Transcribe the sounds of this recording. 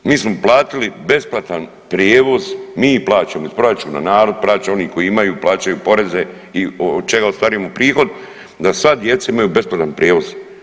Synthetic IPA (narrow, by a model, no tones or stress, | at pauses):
miːsmo̞plˠaːt̪ilibe̞splˠat̪an | pɾjeːʋo̞zmiːplˠaːt͡ɕamoispɾat͡ʃuna̰naːɾo̞d̪̚plˠaːt͡ɕao̞niko̞iimajuːplaːt͡ʃajuːpo̞ɾe̞ze̞ | iood̪̚t͡ʃeɡaost̪aɾijmopɾiːxo̞d̪ | d̪asʋad̪je̞t̪saimajube̞splˠat̪anpɾʲjeːʋo̞z̥